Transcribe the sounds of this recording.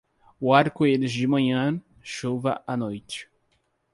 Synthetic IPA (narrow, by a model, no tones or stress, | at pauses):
ʊaɾkʊelɪzd͡ʒɪmɐ̃ɲɐ̃ | ʃovɐʔanojt͡ʃɪ̥